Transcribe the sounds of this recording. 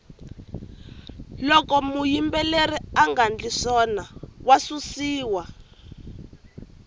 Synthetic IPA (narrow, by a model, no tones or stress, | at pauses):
lɔkɔmujimbɛleɾiaŋɡand͡ɮisɔnawasusiːwa